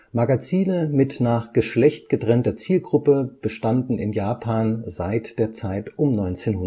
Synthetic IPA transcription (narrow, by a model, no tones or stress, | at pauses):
maɡat͡siːnəmɪtnaːχɡ̥əʃlɛçt̚ɡ̥ətʁ̥ɛntɐt͡siːlɡʁʊpəb̥əʃtandn̩ɪnjaːpʰaːnzaɪtd̥eːɐt͡saɪtʔʊmnɔʏnt͡seːnhʊ